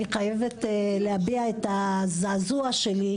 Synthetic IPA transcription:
iχajevet̪lehabiaet̪azaːzuaʃeli

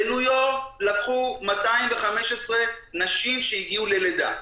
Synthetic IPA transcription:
elujolakχumataimve̞χameʃesʁe̞ | naʃimʃeiɡiule̞led̪a̰

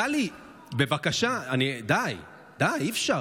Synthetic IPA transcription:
ali | bevakaʃaanid̪aj | d̪ajifʃa

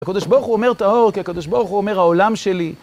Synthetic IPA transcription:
akod̪oʃboʁχuomeʁt̪ao̞ʁkiakod̪oʃboʁuχuome̞ʁhaolamʃe̞li

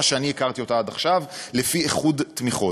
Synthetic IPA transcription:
aʃeaniekaʁt̪io̞taadaχʃavlefieχudtmiχo̞

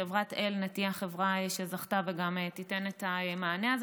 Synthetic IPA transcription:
evʁatelnatiaχevʁaeʃe̞zaχtaveɡametitenetaemaːneaz

